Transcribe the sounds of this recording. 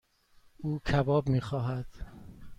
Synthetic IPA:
uːcʰæbɒːbmiːxɒːɦæd̪̥

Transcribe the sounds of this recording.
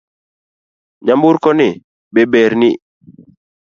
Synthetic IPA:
ɲambʊɾkɔnɪ | bebɛɾnɪ

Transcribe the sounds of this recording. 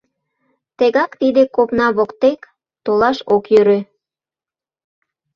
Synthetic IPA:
t̪eɣɑkt̪id̪ekopnɑβokt̪ek | t̪olɑʃokjøɾø

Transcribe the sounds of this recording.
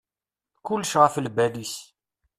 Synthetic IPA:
kʊlːʃʁəflbælis

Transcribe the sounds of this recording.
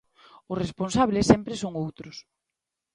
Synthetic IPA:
ʊsresponsaβlesːɛmpɾɪsoŋowt̪ɾʊs

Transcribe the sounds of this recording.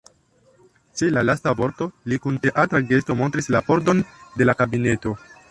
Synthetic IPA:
t͡ʃe̞lalastavo̞ɾto̞likunte̞ʔatɾaɡe̞sto̞mo̞ntɾislapo̞ɾdo̞nde̞lakabine̞to̞

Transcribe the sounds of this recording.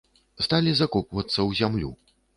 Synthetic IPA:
st̪alʲizakɔpvɐt̪sːɐwzʲamlʲṵ

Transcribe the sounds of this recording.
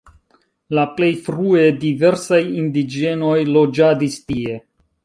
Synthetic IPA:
laple̞jfɾue̞dive̞ɾsajindid͡ʒe̞no̞jlo̞d͡ʒadistie̞

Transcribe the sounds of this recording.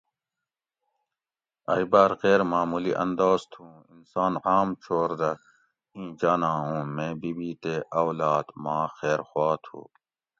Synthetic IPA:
ɐibaːɾqeːɾmaːmuliʔɐ̰nd̪oːzt̪ʰũːinsaːnaːmt͡ɕʰoːɾd̪ɐ | ĩːd͡ʑaːnãːɦũːmẽːbiːbiːt̪eːʔawlaːd̪mãːxeːɾxwaːt̪ʰṵː

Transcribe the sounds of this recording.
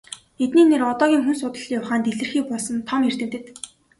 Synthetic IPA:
et̪niːnerɔt̪ɔːɣʲiːŋxunsʊt̪ə̆ɮijʊχaːnt̪eɮɘ̆rxiːk̚pɔɮsɞ̆nt̪ʰɔmer̥t̪ɘ̆mt̪ɘ̆t̪

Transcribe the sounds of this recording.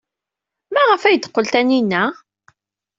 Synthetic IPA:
mæʁəfæjət̪ːə̥qːəlt̪æninːæ

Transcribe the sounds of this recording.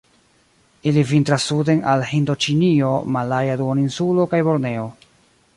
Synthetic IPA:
ilivintɾasːude̞nalhindo̞t͡ʃinio̞malajaduoninsulo̞kajbo̞ɾne̞o

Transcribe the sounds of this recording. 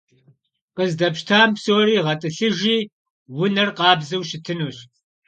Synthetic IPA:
qəzdɐpʃtʰaːmpsoːɾiːʁɐtʼɨɬɨʒiː | wʊnɐrqɑːbzɨwʃɪtʰɨnuːɕ

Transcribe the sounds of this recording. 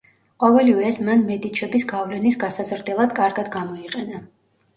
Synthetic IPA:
qʼɔvɛlivɛːsmanmɛd̪it͡ʃʰɛbisɡavlɛnisɡasazɾd̪ɛlˠad̪kʼaɾɡad̪ɡamɔiqʼɛna

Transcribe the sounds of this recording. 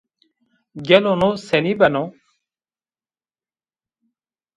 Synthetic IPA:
ɡelonõsenibɐnõ

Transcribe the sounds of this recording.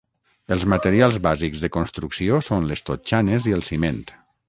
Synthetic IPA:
əlˠzmət̪eɾialˠzβazikzðəkonst̪ɾuksiosonlest̪ot͡ʃaneziəlˠsiment̪

